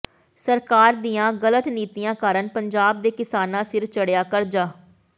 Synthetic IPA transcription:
səɾkaːɾd̪iːãːɣələt̪niːt̪ijãːkaːɾənpəɲd͡ʒaːb̚d̪eːkɪsaːnãːsɪɾt͡ʃəɽjaːkəɾd͡ʒaː

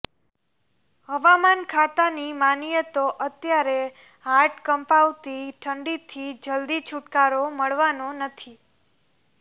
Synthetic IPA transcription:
ɦəʋamankʰat̪animanijət̪oʔət̪jaɾe | ɦaɾʈkəmpaʋt̪iʈʰəɳɖit̪ʰid͡ʒəld̪it͡ʃʰuʈkaɾoməɭʋanonət̪ʰi

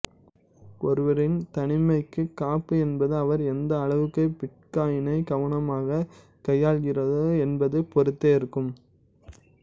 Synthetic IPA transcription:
ɔɾɯʋɐɾɪnt̪ɐɳɪmɐɪkːɯkːaːpːɯɛnbɐðɯɐʋɐɾɛnd̪ɐːɭɐʋɯkːɐɪpɪʈ̚kaːjɪnɐɪɡɐʋɐɳɐmaːɣɐ | kɐjːaːɭɣɪrɐðɯɛnbɐðɯpɔɾɯt̪ːeːɪɾɯkːɯm

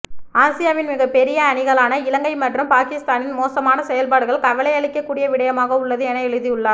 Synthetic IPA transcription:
aːsɪjaːʋɪnmɪɣɐpɛɾɪjɐːɳɪɣɐɭaːnɐɪlɐŋɡɐɪmɐʈrɯmpaːkɪst̪aːnɪnmoːsɐmaːnɐsɛjɐlpaːɽɯɣɐɭkɐʋɐlɐɪjɐɭɪkːɐkːuːɽɪjɐʋɪɽɐjɐmaːɣɐʊɭːɐðɯɛnɐɛɻɯðɪjɯɭːaː

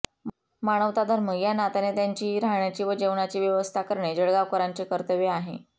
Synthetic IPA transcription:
maɽ̃əʋt̪ad̪ʱəɾməjanat̪anet̪jaɲt͡ɕiːɾaɦɳjat͡ɕiːʋəd͡ʑeʋɳat͡ɕiːʋjəʋəst̪ʰakəɾɳed͡ʑəɽɡakoɾaɲt͡ɕekəɾt̪əʋeaɦḛ

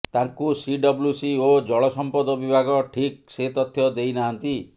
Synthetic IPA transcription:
t̪aŋkusiɖɔbljusiod͡ʒɔɭɔsɔmpɔd̪ɔbibʱaɡɔʈʰik̚set̪ɔt̪ʰːjɔd̪ejnaɦant̪i

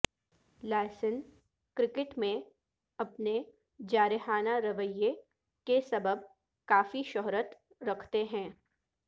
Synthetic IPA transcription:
laːsən | kɾɪkɪʈmẽ | ɐpne | d͡ʒaːɾɪɦaːnaɾɐʋəjːe | kesɐbəb̚ | kaːfiʃɔɦɾət̪ | ɾɐkʰt̪eɦɛ̃ː

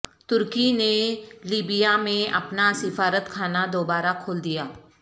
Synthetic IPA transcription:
t̪ʊɾkineliːbijamẽʔɐ̰pnasɪfaːɾət̪kʰaːnad̪oːbaːɾakʰoːld̪ijaː

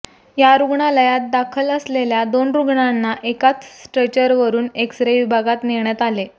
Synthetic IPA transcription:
jaɾuɡɳaləjat̪̚d̪akʰələsleljad̪onɾuɡɳanːaʔekat͡ssʈɾət͡ɕəɾʋəɾuːneksɾeʋibʱaɡat̪niɳjat̪ale

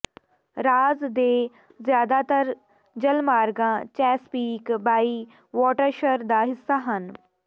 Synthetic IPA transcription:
ɾaːzd̪eː | zjaːd̪aːt̪əɾ | d͡ʒəlmaːɾɡãːt͡ʃɛːspiːkbaːiː | ʋɔːʈəɾʃəɾd̪aːɦɪsːaːɦən

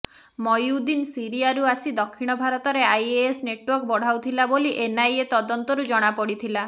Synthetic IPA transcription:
mɔjud̪insiɾiaɾuasid̪ɔkʰːiɽ̃ɔbʱaɾɔt̪ɔɾeajeːsneʈwɔɾk̚bɔɽ̤awt̪ʰilaboliʔenajet̪ɔd̪ɔnt̪ɔɾud͡ʒɔɽ̃apɔɽit̪ʰila

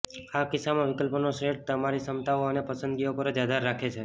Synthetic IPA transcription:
akɪsamãʋɪkəlpnoseʈt̪əmaɾisəmt̪aoənepəsənd̪ɡiopəɾd͡ʒad̪ʱaɾːakʰet͡ʃʰe

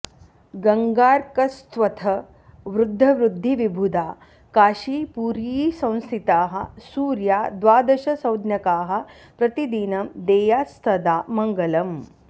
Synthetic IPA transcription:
ɡɐŋɡaːɾkɐst̪ʋɐt̪ʰɐ | ʋɾud̪ʱːɐʋɾud̪ʱːiʋibʱud̪aː | kaːʃiːpuːɾisɐ̃w̃st̪ʰit̪aːɦɐ̰̆suːɾjaːd̪ʋaːd̪ɐʃɐsɐwd̪njɐkaːɦɐ̆ | pɾɐt̪id̪inɐmd̪eːjaːst̪ʰɐd̪aːmɐŋɡɐlɐm

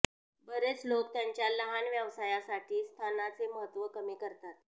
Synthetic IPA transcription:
bəɾet͡slok̚t̪jaɲt͡ɕjaləɦanʋjaʋsajasaʈʰiːst̪ʰanat͡seməɦət̪ʋəkəmiːkəɾt̪at̪̚

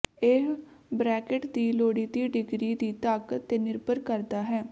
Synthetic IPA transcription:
ebɾɛːkeʈd̪iːloːɽiːd̪iːɖɪɡɾiːd̪iːt̪əkt̪eːnɪɾbəɾkəɾd̪aːɦɛː

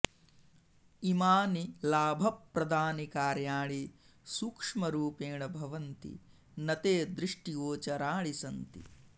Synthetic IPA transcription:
imaːnilaːbʱɐpɾɐd̪ʱaːnikaːɾjaːɭi | sukʂmɐɾuːpeːɳɐbʱɐʋɐnt̪ḭ | nɐt̪eːd̪ɾiʂʈioːt͡ʃɐɾaːɭisɐnt̪ḭ

